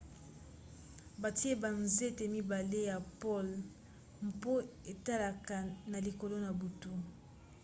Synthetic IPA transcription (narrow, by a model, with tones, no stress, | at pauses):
ba˨ti˦e˦ba˨nze˦te˨mi˦ba˨le˦ja˨pɔ˦l | m˨po˦e˨ta˦la˨ka˨na˨li˨ko˨lo˦na˨bu˨tu˦